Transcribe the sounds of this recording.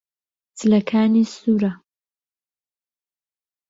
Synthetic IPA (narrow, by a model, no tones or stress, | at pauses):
t͡sɨlɐkʰaːniːsuːɾɐ